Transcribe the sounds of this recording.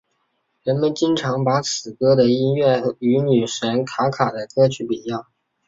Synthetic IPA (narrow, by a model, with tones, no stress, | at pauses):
ɻə˧˥nmə˨nt͡ɕi˥ŋʈ͡ʂʰɑ˧˥ŋpa˧˥t͡sʰɹ̩˨˩kɤ˥d̪ə˨i˥nɥɛ˥˩y˧˥ny˨˩ʂə˧˥nkʰa˧˥kʰa˨˩d̪ə˦kɤ˥t͡ɕʰy˥˩pi˨˩jɑ˥˩ʊ